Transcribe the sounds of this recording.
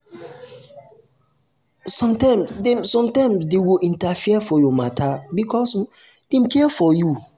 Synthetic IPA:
sɔ̃mtãɪmsdɛmsɔ̃mtãmsdewiʔĩntafiɛfɔjɔmatʰabikʰɔsd̥ẽmkʰɛɛfɔju

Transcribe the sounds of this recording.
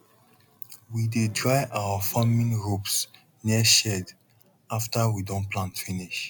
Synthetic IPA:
widedɹajʔawəfamĩnɹups | niəʃɛd | aftəwidɔ̃nplãntfĩniʃ

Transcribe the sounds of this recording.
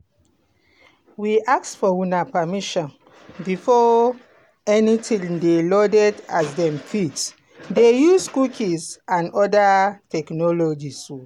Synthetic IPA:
wiʔak̚tfɔwunapamiʃɔ̃n | bifɔ | ɛnitʰĩŋdelɔdɛdazdɛ̃mfit | dejuskukʰizãnɔdatɛknɔlɔd͡ʒisu

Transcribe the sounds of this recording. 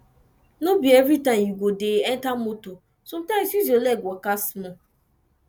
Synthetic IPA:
nõbievɾitãmjiɡʷodeɛntamoto | sɔ̃mtãsiziolɛɡʷɔkasmã

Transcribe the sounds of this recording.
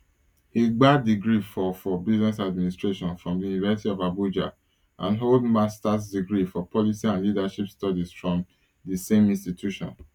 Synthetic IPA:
eɡ͡badiɡɹifɔfɔbiznɛsad̚ministɹeʃɔ̃nfɹɔ̃mdijunivasitiɔvabud͡ʒa̰ | ʔã̰nɦoldmastas̬diɡɹifɔpʰɔlisiãnlidaʃipstɔdizfɹɔ̃m | dəsẽmĩnstitʰjuʃɔ̰̃n

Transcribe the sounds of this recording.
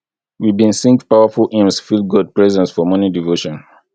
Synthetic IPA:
wibĩnsĩŋkpaʊəfulʔẽmsfilˠɡɔd̚pɹɛzɛ̃nsfɔmɔnidivoʃɔ̃n

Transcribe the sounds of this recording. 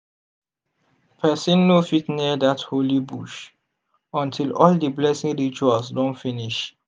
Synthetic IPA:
pʰɛsĩnːofitniədatholibuʃ | ɔ̃ntʰilɔldiblɛsĩŋɹit͡ʃualsdɔ̃nfiniʃ

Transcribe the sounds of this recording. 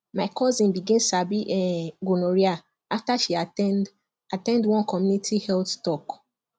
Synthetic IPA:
maɪkʰɔzĩnbiɡɛ̃nsabiʔɛɡunoɹia | aftaʃia | atɛ̃ndwɔ̃nkɔmjunitʰihɛlttɔk

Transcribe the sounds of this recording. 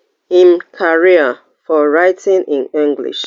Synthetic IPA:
hĩmkʰaɹiə | fɔɹaɪtʰĩnĩnĩŋɡlḭʃ

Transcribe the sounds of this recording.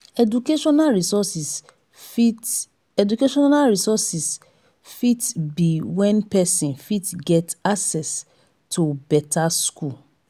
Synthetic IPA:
ɛdukeʃɔnalɹisɔsis | i | ɛdukeʃɔnalɹisɔsis | fitbiwɛ̃npɛsĩnfitɡɛtaksɛs | tʰubɛtʰaskul

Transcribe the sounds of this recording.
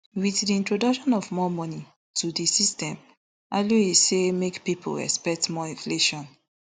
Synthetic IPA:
wiθdiĩntɹodɔkʃɔ̃nɔvmɔmɔni | tʰudisistɛ̃m | aluisemekpipʰo̰ɛ̰spɛk̚tmɔĩnfleʃɔ̃n

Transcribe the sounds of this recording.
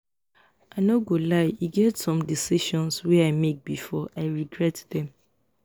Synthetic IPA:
ʔanoɡolaɪiɡɛtsɔ̃mdisiʃɔ̃nswɛaɪmek̚bifɔʔaɪɹiɡɹɛtdɛ̃m

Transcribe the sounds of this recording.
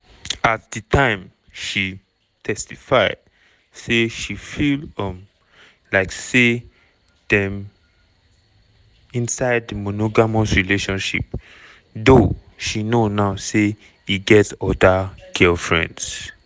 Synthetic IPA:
atdətʰãɪ̃m | ʃi | tʰɛstifaɪd̥ | seʃifilɔ̃m | laɪkse | dɛ̃m | ĩnsaɪd̚əmonoɡamosɹileʃɔ̃nʃḭp | do | ʃinonaʊse | iɡɛtsɔdaɡ̥ɛlfɹɛ̰̃nds

